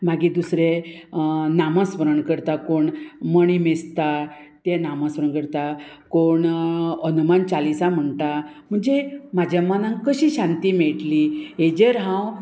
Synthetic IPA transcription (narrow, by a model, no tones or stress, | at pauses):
maɡid̪usɾe | naməsʋəɾəɳkəɾt̪akoɳməɳimest̪at̪ɛnamasʋəɾəɳkəɾt̪a | koɳənumant͡ɕalisam̤əɳt̪a | m̤əɳd͡zemad͡ʑjamanãŋkəɕiɕãnt̪iːmeɭʈlied͡ʑeɾɦãw